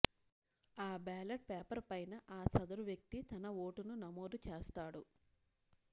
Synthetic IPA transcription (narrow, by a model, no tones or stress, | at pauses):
aːbaːlɐʈ̚peːpɐɾpɐjnɐʔaːsɐd̪ɐɾuʋjɐk̚t̪it̪ɐnɐoːʈununɐmoːd̪ut͡ʃeːst̪aːɽu